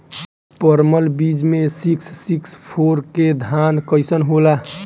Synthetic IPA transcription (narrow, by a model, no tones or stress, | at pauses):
pəɾməlbid͡ʒmesiksːikspʰoɾked̪ʱankəɪsənɦola